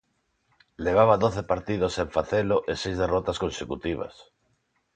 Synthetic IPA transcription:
leβ̞aβ̞aðoθepaɾt̪ið̞oseɱfaθeloʔesejzðerɔt̪askonsekut̪iβ̞a̰s

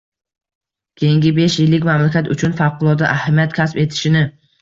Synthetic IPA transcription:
kʲʰejɪŋɡʲɪbe̞ʃjɪlːɪkʲmamlakʲʰat̪ʊt͡ʃʰʊnfɑwqʰʊlˠɒd̪aʔahamijat̪kʲʰaspe̞t̪ʰɪ̥ʃɪnɪ

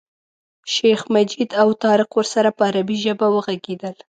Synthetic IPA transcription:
ʃexmad͡ʒid̪awt̪ɑɾɪqwəɾsaɾapəaɾabiʒəbawəɣaɡed̪əl

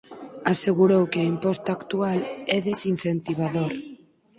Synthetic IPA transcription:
aseɣuɾowkɪaimpɔst̪aaːkt̪ualɛðesin̟θent̪iβ̞aðoɾ

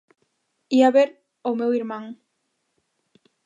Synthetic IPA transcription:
iaβeɾ | omewiɾmãŋ

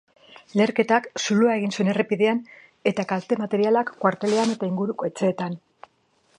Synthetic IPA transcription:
le̞ɾke̞t̪aksuluae̞ɣ̞insue̞ne̞repiðe̞an | e̞t̪akalt̪e̞mat̪e̞ɾialakːwaɾt̪e̞le̞ane̞t̪aiŋɡuɾuko̞e̞t͡se̞ːt̪an

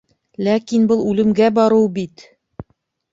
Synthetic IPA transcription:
lækinbɤlˠʉlɘ̆mɡæbɒɾɤwbit̪

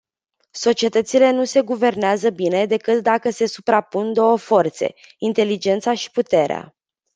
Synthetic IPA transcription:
so̞t͡ʃie̞t̪ət̪sile̞n̪use̞ɡuve̞rneazəbine̞d̪e̞kɨt̪d̪akəse̞supɾapund̪o̞wəfo̞rt̪se̞̰int̪e̞lid͡ʒe̞nt̪saʃi̥put̪e̞ɾea̰

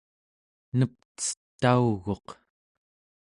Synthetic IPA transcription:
nəp̚t͡sə̥t̪ːauɣo̞q

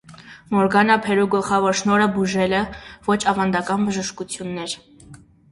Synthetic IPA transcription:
mɔɾɡɑnɑpʰɛɾuɡəlχɑvɔɾʃnɔɾəbuʒɛlɛvɔt͡ʃʰɑvɑnd̪ɑkɑnbəʒəʃkut͡sʰjunːɛɾ

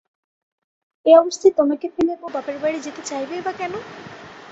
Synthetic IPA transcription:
eɔbost̪ʰat̪omaket̪ʰinebobapeɾbajɽid͡ʑet̪et͡ɕajbeebakɛno

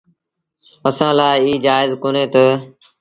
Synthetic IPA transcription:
əsãːlaːɪiːd͡ʒaːɪzkoːneːt̪əː

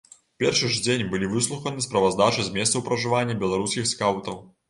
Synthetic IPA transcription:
pʲɛrʂɨʐd͡zʲenʲbɨlʲivɨslˠuxɐnɨspɾɐvazd̪at͡ʂɨzʲmʲɛssɐwpɾɐʐɨvanʲːɐbʲɛlˠaɾuskʲixskawt̪ɐw

